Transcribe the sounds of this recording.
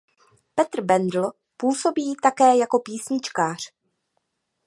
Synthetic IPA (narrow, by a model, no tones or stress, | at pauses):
pɛt̪r̩bɛndl̩ | puːso̞biːt̪akɛːjako̞piːsɲɪt͡ʃkaːr̝̥